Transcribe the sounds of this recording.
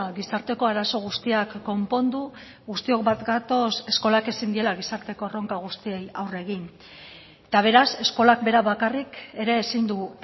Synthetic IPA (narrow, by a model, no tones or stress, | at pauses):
ɣisaɾt̪e̞ko̞aɾaso̞ɣ̞ust̪iakːo̞mpo̞nd̪u | ɣust̪io̞kbat̪ɡat̪o̞se̞sko̞lake̞sind̪ie̞laɣ̞isaɾt̪e̞ko̞ro̞ŋkaɣ̞ust̪ie̞jawre̞ɣ̞in | et̪aβ̞e̞ɾase̞sko̞lak̚be̞ɾaβakarike̞ɾe̞ːsind̪u